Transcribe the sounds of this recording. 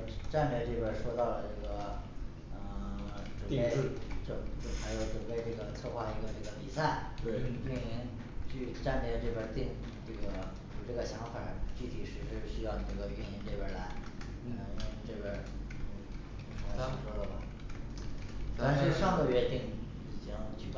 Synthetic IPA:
ʈ͡ʂa˥˧npɛ˥˧ʈ͡ʂɤ˥˧bə˥˧˩ʂwɔ˥t̪ɑ˥˩ʊlə˩ʈ͡ʂɤ˥˩ɡə˩ | ə˥˩ʈ͡ʂə˨˩˥e˥˧ɪ˥˧ʈ͡ʂʊ˥˩ʈ͡ʂə˥˩xa˧˥jo˨˧˩ʊʈ͡ʂə˨˩pe˥˧ɪʈ͡ʂɤ˥˩ɡə˩t͡sʰwɤ˥˧xwa˥˩i˧˥ɡə˧ʈ͡ʂɤ˥˩ɡə˩pi˨˩sa˥˩ɪ˥˧˩y˥˩ni˧˥n | t͡ɕy˥˩˧ʈ͡ʂa˥˧nt̪jɛ˥˧ʈ͡ʂɤ˥˩bə˧t̪i˥˩ŋ | ʈ͡ʂɤ˥˩ɡə˩ | u˨˩ʈ͡ʂɤ˥˩ɡə˩ɕjɑ˧˥ŋfa˨˩t͡ɕy˥˩t̪ʰi˨˩ʂɻ̩˧˥ʂɻ̩˥˩ɕy˥jɑ˥˧ʊʈ͡ʂɤ˥˩ɡə˩y˥˩ni˧˥nʈ͡ʂe˥˧wə˥˩la˧˥ɪ˥˧˩ | ʈ͡ʂɤ˥˧bə˥˩˧ | ɔ˧˥ɑ˥˩ʂwɔ˥d̪ə˨˩bɐ˩ | t̪a˥˧nʂɻ̩˥˧ʂɑ˥˧ŋɡ̪ə˥˩ɥɛ˧˥t̪i˥˩ŋ | i˨˩t͡ɕi˥ŋt͡ɕʰy˥˧˩

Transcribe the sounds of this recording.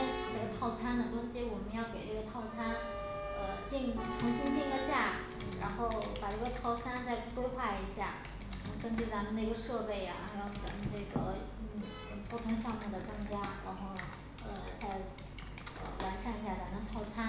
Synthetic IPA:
ʈ͡ʂɤ˥˩ɡə˩t̪ʰɑ˥˩ʊt͡sʰa˥nd̪ə˨˧t̪ʊ˥ŋɕi˧˥wɔ˨˩mə˦njɑ˥˩ʊke˨˩ɪʈ͡ʂɤ˥˩ɡə˩t̪ʰɑ˥˩ʊt͡sʰa˥n | ə˧t̪i˥˩ŋ˥˩ʈ͡ʂʰɤ˧˥ŋɕi˥ŋt̪i˥˧ŋd̪ə˧t͡ɕja˥˩ | ɻa˧˥nxo˥˩ʊpa˨˩ʈ͡ʂɤ˥˩ɡə˧˩t̪ʰɑ˥ʊt͡sʰa˥nt͡sa˥˧ɪkwe˥ɪxwa˥˩i˧˥ɕja̰˥˩ | nə˧˥kə˥nt͡ɕy˥˩t͡sa˧˥mə˧ne˥˩ɡə˩ʂɤ˥˧pe˥˩ɪa̰˩˧jɑ˥˩ʊt͡sa˧˥mə˧ʈ͡ʂɤ˥˩ɡə˩ | n̩˥˩˧ | pʰwɔ˥˩t̪ʰʊ˧˥ŋɕ̬jɑ˥˧ʊmu˥˩d̪ə˩t͡sɤ˥ŋt͡ɕja˥ɻa˧˥nxo˥˩ʊ | ə˧˩t͡sa˥˧ɪ | ə̰˧wa˧˥nʂa˥˧ni˧˥ɕja˥˩t͡sa˧˥nə˧˥ŋt̪ʰɑ˥˩ʊt͡sʰa˥n

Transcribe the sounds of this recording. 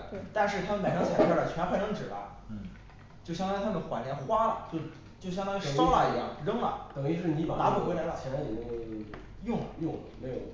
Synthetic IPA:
t̪a˥˧nʂɻ̩˥˩t̪ʰa˥mə˧˨nma˨˩ɪʂɑ˥ŋt͡ɕʰjɛ˨˩t͡ɕʰa˥˩ə˨˩t͡ɕʰɥɛ˧˥pʰʈ͡ʂɤ˥ŋʈ͡ʂɻ̩˨˩ba̰˧˥˩ | t͡ɕjo˥˩ʊɕjɑ˥ŋt̪ɑ˥˧t̪ʰa˥mə˨˩ə˨xwa˨˩nljɛ˧˥nxwa˥t͡ɕo˥˧ʊ | t͡ɕjo˥˩ɕjɑ˥ŋt̪ɑ˥ŋʂɑ˥la˨˧˩i˧˥jɑ̰˥˩ŋɻɤ˥ŋlɐ̰˨˩t̪ɤ˨˩ŋi˧˥ʈ͡ʂɻ̩˥˩ni˧˥pa˨˩t̪a˧˥pɔ˥˩kla˧˥lə˧˩t͡ɕʰɛ˧˩ɻa˧˥jɛ˨˩me˧˥j | jʊ˥˩ŋ˨˩jʊ˥˩ŋme˧˥jo̰˨˧˩ʊ

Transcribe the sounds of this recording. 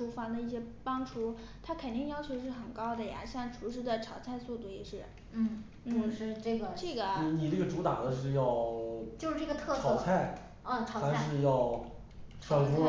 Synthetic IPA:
ʈ͡ʂu˧˥fa˧˥d̪ə˧i˥˩ɕjɛ˥pɑ˥ŋʈ͡ʂʰu˧˥ | t̪ʰa˥kʰə˨˩nt̪i˥˩ŋjɑ˥ʊt͡ɕʰjo˧˥ʊʂ̬ɻ̩˥˩xə˨˩nkɑ˥ʊd̪ə˨ja̰˨˩ɕjɑ˥˩ŋʈ͡ʂʰu˧˥ʂ̬ɻ̩˧˥d̪ə˧ʈ͡ʂʰɑ˨˩ʊt͡sʰa˥˧ɪsu˥˧t̪u˥˩jɛ˨˩ʂɻ̩˥˩ | n̩˥˩ | n̩˥˩˥ʂɻ̩˥˧˩ʈ͡ʂɤ˥˩ɡə˩ʈ͡ʂɤ˥˩ɡə˩n˨i˧ni˨˩ʈ͡ʂɤ˥˩ɡə˩ʈ͡ʂu˧˥t̪ɑ˨˩d̪ə˦ʂ̬ɻ̩˥˧jɑ˥˧ʊt͡ɕjʂɻ̩˥˩ʈ͡ʂɤ˥˩ɡə˩t̪ʰɤ˥˧ʈ͡ʂsʰɑ˨˧˥t͡sʰa˥˩ɪ | ə˥˧˩ʈ͡ʂʰɑ˨˧˥a˧˥ʂɻ̩˥˧jɑ˥˧ʊ | ʈ͡ʂʰwa˧˥nfɔ˥

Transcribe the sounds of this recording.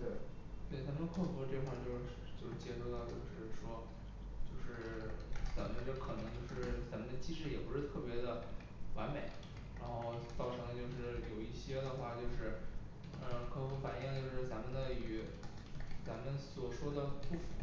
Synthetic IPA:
t̪we˥˩ɪt̪we˥˩ɪt͡sa˧˥mə˧˥kʰɔ˥˧˩t͡swʈ͡ʂɤ˥˩ə˧˩a˥˧˩t͡ɕjo˥˧ʊʂɻ̩˥˩t͡ɕjo˥˧ʊʂɻ̩˥˩t͡ɕjɛ˥ʂo˥˧ʊt̪ɑ˥˧ʊt͡ɕjo˥˧ʊʂɻ̩˥˩ʂwɔ˥ | t͡ɕjo˥˧ʊʂɻ̩˥˩t͡sa˨˧˥mə˨˩d̪ə˧ʈ͡ʂɤ˥˩˧kʰɤ˨˩nɤ˧˥ŋt͡ɕjo˥˧ʊʂɻ̩˥˩t͡sa˧˥mə˨nd̪ə˩t͡ɕi˥ʂɻ̩˥˩jɛ˨˩pu˧˥ʂɻ̩˥˧t̪ʰɤ˥˩pjɛ˧˥d̪ə˧˨ | wa̰˧˥nme˨˩˦ɪ | ɻa˧˥nxo˥˧ʊt͡sɑ˥˩ʊʈ͡ʂʰɤ˧˥ŋə˧t͡ɕjo˥˧ʊʂɻ̩˥˩jo˨˩ʊi˥˩ɕjɛ˥d̪ə˨xwa˥˩t͡ɕjo˥˧ʊʂɻ̩˥˩˧ | ə˧kʰɤ˥˩kʰɤ˧˥ŋfa˨˩nji˥˩ŋt͡ɕjo˥˧ʊʂɻ̩˥˩t͡sa˧˥mə˨˧nd̪ə˧y˨˧˩ | t͡sa˧˥mə˧˨nswɔ˨˩ʂwɔ˥d̪ə˨pu˥˩f

